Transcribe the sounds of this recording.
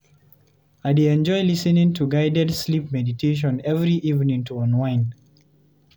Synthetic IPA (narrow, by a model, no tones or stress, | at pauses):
aɪdeɛ̃nd͡ʒɔɪlisənĩŋtʰuɡaɪdɛdslipmɛditʰeʃ̬ɔ̃nɛvɹiʔiṽnĩŋtuɔ̃nwãɪ̃n